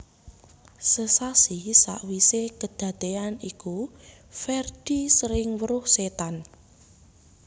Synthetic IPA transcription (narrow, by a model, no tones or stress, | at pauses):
səsasisa̰ʔwisekəd̪̥ä̤t̪eaniku | fɛrd̪̥isɾɪŋwəɾʊhset̪an